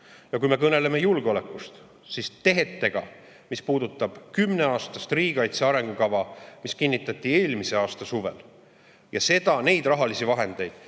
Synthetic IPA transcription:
jɑkujme̞k̬ɤne̞le̞me̞julɡ̥eo̞le̞kːˑust̪ | sist̪e̞ɦe̞t̪ːe̞ɡ̥ɑ̰ | mispuːd̪̥ut̪ˑːɑb̥kymne̞ɑːst̪ɑst̪riːɡ̥ɑjt̪seɑɾe̞ŋɡ̥ukɑvɑmiskinːit̪ːˑɑt̪ʲːˑie̞ːlmise̞ɑːst̪ɑsuve̞̰l | jɑse̞d̪̥ɑne̞jd̪̥rɑɦɑlisivɑɦe̞nd̪̥e̞jd̪̥

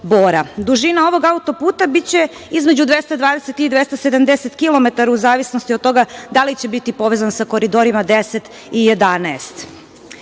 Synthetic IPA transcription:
boːɾad̪uʒinao̞ʋo̞ɡaut̪o̞puːt̪abitt͡ɕe̞ | izme̞d͡ʑud̪ʋe̞st̪ad̪ʋaːd̪ese̞t̪id̪ʋest̪ased̪amd̪eset̪kilˠome̞t̪aɾauzaːʋisnost̪iot̪t̪ːo̞ɡad̪alit͡ɕe̞bit̪ipo̞ʋezansako̞ɾid̪o̞ɾimad̪eset̪ | ije̞d̪anɛːst̪

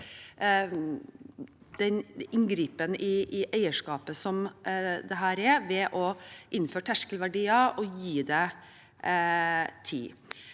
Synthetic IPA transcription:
d̪̥ɛnɪŋɡɾiːpənʔɪːʔæɪəʂkɑːpəsɔmd̪ɛɦæːɾɛɾʋɛʔɔʔɪnːføːʈʰæʂkəlʋæɖiːɑɔjiːd̪ɛ | t̪ʰḭː

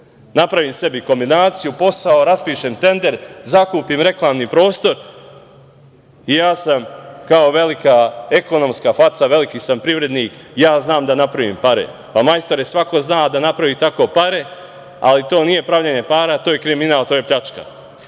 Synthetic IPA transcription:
napɾaʋiːmse̞biko̞mbinaːt̪sijupo̞saoɾaspiːʃeːmt̪e̞nd̪e̞ɾzakuːpiːmɾe̞klˠaːmnipɾo̞ːst̪o̞ɾ | ijaːsamkao̞ʋe̞likae̞ko̞no̞mskafat̪saʋe̞likiːsampɾiʋɾe̞d̪niːkjaːznaːmd̪anapɾaʋḭːmpaɾḛ | pamajst̪oɾesʋako̞znaːd̪anapɾaʋiːt̪ako̞ːpaɾe̞ | a̰lit̪o̞ːnije̞pɾaʋʎaɲe̞paːɾat̪o̞ːje̞kɾiminaːlt̪oːjepʎat͡ʃka̰

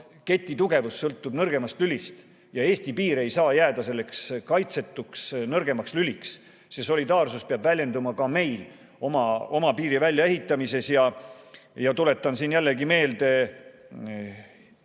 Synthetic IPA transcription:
ke̞t̪ʲˑːit̪uɡ̥e̞vusːɤlt̪ːˑub̥nɤrɡ̥e̞mɑst̪lylʲist̪ | jɑe̞ːst̪ipiːɾe̞jsɑːjæːd̪̥ɑse̞lːe̞kskɑjt̪se̞t̪ːˑuksnɤrɡe̞mɑkslylʲiks | seso̞lʲid̪ɑːrsuspeɑbvælʲje̞nd̪umɑkɑme̞jl | o̞mɑo̞mɑpiːɾivælʲːjɑe̞ɦit̪ːˑɑmise̞sjɑ | jɑt̪ule̞t̪ːˑɑnsiːnjælːe̞ɡime̞ːld̪̥e̞

